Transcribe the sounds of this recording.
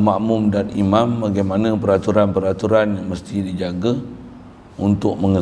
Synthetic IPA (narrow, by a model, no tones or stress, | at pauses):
mãʔmumdanimãmbaɡajmanãpəɾat̪uɾanpəɾat̪uɾanjaŋməst̪idid͡ʒaɡa | unt̪ʊʔ̚məŋə